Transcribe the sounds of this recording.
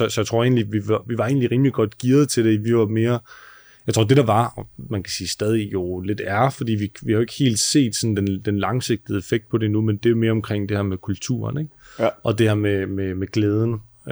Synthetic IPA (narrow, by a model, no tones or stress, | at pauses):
sɒ̽sɒ̽jat͡sʰʁo̝ɐ̰ḛːnliʋiʋɑʋiʋɑ̈e̝̰ːnliʁiːmliɡ̥ɒ̽d̥ɡ̥iɐð̞̩ˠt͡sʰe̝ɾ̥e̝ʋiʋɑ̈me̝ːɐ | jɑɪt͡sʰʁo̰ɐd̥e̝ɾ̥ɑ̈ʋɑ̈mænkʰæ̥siːsd̥ɛːð̞ˠijo̝le̝d̥æɐfɒd̥ḭːʋiʋihɑ̈jo̝eɡ̥he̝̰ːld̥se̝̰ːd̥sɒ̽nd̥end̥enlɑ̈ŋse̝ɡ̥̚d̥ð̩ˠefeɡ̥d̥̚pʰɒ̽d̥enumend̥e̝ome̝ːɐɒ̽mkʰʁeŋ̰d̥e̝hæɐmekʰult͡sʰṵːɐneɡ̥ʔɒ̽d̥e̝hæɐ̰mememeɡ̥leːð̞ˠn̩